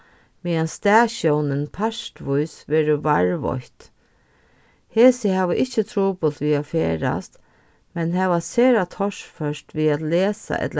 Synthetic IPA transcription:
miːanst̪æːɕɔwnɪnpʰaʂtʋʊjsʋɛːɾʊvaɹʋɔ̰çt̪ | heːsɪhɛːʋəʔɪht͡ʃːət̪ʰɾuːpʊlt̪ʋiːafeːɾa̰st̪ | mɛnɦɛːʋaseːɾat̪ʰɔʂfœʂt̪ʋiːat̪leːsa̰ʔɛ̰t̪l

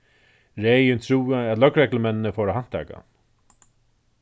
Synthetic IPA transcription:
ɾɛːjɪnt̪ʰɹuːɪæt̪lœkɾɛkləmɛnːnəfɔɾaɦan̥t̪ʰa̰ːka̰n

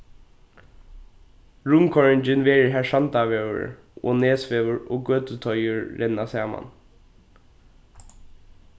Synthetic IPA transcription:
ɹʊmkʰɔɹɪnt͡ʃɪnʋeːɹəɹɦæːɹʂant̪aʋɛːə̰ɹ | o̰ːneːsfeːʋəɹo̰ːɡøːt̪ət̪ʰɔjʏɹːɛnːasɑːma̰n

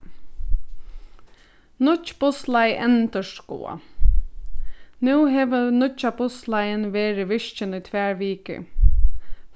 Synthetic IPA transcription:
nʊt͡ʃpʊslaɪʔɛnt̪əʂko̰ːa̰ | nʉːɦɛːʋənʊt͡ʃapʊslajənʋeːɾɪʋɪʂt͡ʃɪnujt̪ʰʋæːɹʋiːkə̰

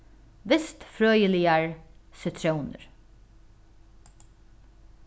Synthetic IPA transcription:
ʋɪst̪fɾøːjəlɪəɹsʏt̪ʰɾaʊnə̰ɾ

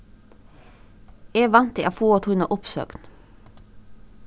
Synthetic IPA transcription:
eːʋɑnt̪ḭɑfuːɔt̪ʰʊnɑʔʊpsø̰ːɡn

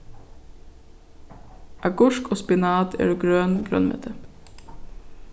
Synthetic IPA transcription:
ʔɑɡɔʃkʰoːspɪnɑːd̪ḛːɹuɡɹøːnɡ̥ɾœ̰nmɛ̰t̪ʰə

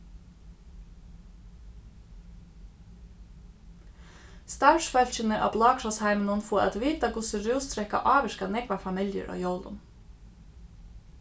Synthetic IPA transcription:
st̪ɑːʃfɛlc͡çʏnəʔɑ̰blɑːkʃɔshæɪmənɔnfuʔɛ̰t̪ʋiːt̪ɑɡʊsʉɾuːst̪ɾɛkɑ̰ʔɑːʋəʃkɑnɛɡʋɑfɑmɪljə̰ɹʔo̰ːjɔld̪ʊ̰m

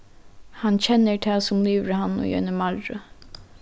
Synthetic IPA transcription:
hɑnçɛnːət̪ʰɛːsʊmliːʋɾəhɑnɔ̰ːjœ̰ːnəmɑɾɾʊ

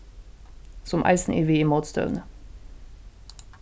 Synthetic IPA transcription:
sʊmʔæ̰ɪsn̩ʔḭːʋiːiːmoːt̪st̪œ̰ʉnə

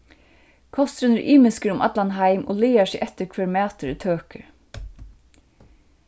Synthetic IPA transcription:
kʰɔst̪ɾʉnəɹʔiːmɪskəɾʊmʔɑ̰t̪lanɦaɪmʔo̰ːleːasiːʔɛt̪əɾkʰʋɛːɹmæːt̪əɾt̪ʰøːkəɾ

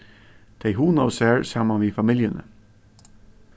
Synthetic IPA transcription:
d̪̥eɪɦuːnoʊsæɹsɑmənʋifɑmiljənə̰

